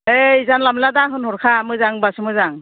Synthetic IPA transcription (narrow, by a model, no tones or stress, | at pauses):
ejzanlamladaŋɦɯnhɔɾkʰamɯzaŋbasɯmɯzaŋ